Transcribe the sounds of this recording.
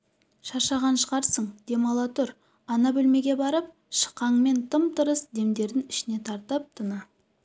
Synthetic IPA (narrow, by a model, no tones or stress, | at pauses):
ʃɑʃɑʁɑnʃəʁɑɾsəɴd̪̥e̞mɑlˠɑt̪ʊɾ | ɑnɑbɵlme̞ɡʲe̞bɑɾəp̚ | ʃə̥qːɑɴme̞nt̪ʰəmt̪əɾəsd̪e̞md̪e̞ɾd̪ɪnɪʃɪne̞t̪ʰɑɾt̪əp̚t̪ʰənɑ